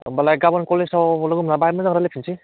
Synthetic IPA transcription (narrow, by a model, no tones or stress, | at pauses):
balajɡabɔnkɔlealɯɡumnabajmadaŋɾalepʰinsʰi